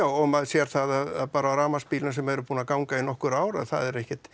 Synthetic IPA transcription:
aːwɔmaðsjɛɾ̥θaðaðaðpaːɾaɾaːmaspiːlɪnasɛmɛɾʏpuːnakawŋkainɔhkʏɾaːwɾa̰ðθa̰ðɛɾɛhcɪt̪

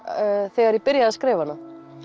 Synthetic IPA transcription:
θɛɣaɾipɪɾjaðaðskɾeːvana

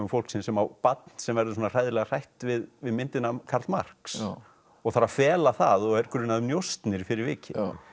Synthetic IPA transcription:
ʏmfowl̥ksɪnsɛmawpat̪n̥sɛmvɛɾðʏsɔːnar̥ajðɪlɛɣar̥ajht̪vɪðvɪðmɪnt̪ɪnakʰaɾ̥t̪ma̰r̥ks | ɔɣθaɾafɛːlaθa̰ðɔɣɛɾkʰʏɾʏnaðʏmnjowst̪nɪɾfɪɾɪɾvɪːcɪ

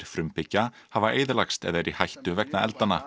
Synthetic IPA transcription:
ɾ̥fɾʏmpɪcːahavaʔeːjðɪlakst̪ɛ̰ðɛɾihajht̪ʏvɛknaɛ̰lt̪anːa

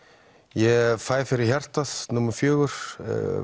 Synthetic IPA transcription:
jɛfaːjfɪɾɪɾ̥çar̥t̪aðnʊmʏɾfjœːɣʏɾ̥

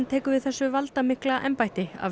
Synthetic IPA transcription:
nt̪ʰɛːkʏvɪðθɛsːʏvalt̪amɪhklaʔɛ̰mpajt̪ɪa̰

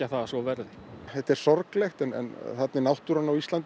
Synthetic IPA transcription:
aθaðasvɔvɛɾðɪɛht̪ɛɾ̥sɔɾklɛxt̪ɛnɛ̰nθɛt̪nɪnawht̪uɾanːawist̪ant̪

